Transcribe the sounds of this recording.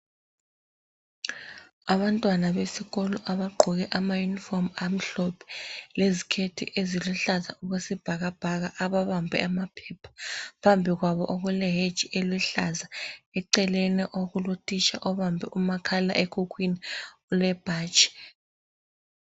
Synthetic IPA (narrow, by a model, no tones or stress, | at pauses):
aβantʼwanaβesiɣɔlɔʔaβaɡ͡ǃʱɔɣ̬ɛʔamajunifɔmam̩ɬɔpʰɛ̥lezikʰetʰḭʔeziluɬazauɣesib̥ʱaɣ̬ab̥ʱaɣ̬aʔaβaβambʱɛ̰amapʰɛːpʰḁpʰambʱiɣ̬waβɔ̰ʔɔɣ̬wɛlɛɦed̥d͡ʒ̥ʱiʔeliɬazaɛǀɛlɛnɛʔoɣulutʼit͡ʃʰʼa̰ʔɔβambʱɛ̰ʔumakʰala̰ʔekʰuk̬winiɔlɛb̥ʱaːt͡ʃʰʼi̥